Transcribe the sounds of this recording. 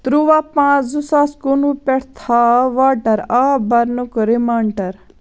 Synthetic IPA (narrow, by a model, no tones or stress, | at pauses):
t̪ɾuʋaːpãːzusaːskonupɛɽt̪ʰaːʋaːʈɐɾaːbɐɾnukɾimaːɳʈɐɾ